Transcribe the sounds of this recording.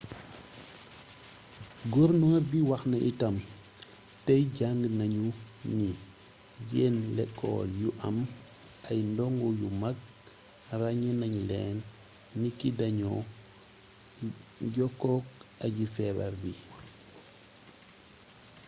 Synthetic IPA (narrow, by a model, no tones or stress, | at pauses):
ɡɔɾnoɾbiwaxnaʔitam | tejɟaŋɡnaɲu | ni | jenlɛkʰːo̰ːljuʔɐm | ʔajndɔŋɡujumak̚ | raɲinaɲlḛːnː | ikidaɲo̰ | ɟɔkːɔk̚aɟifɛːba̰ɾbi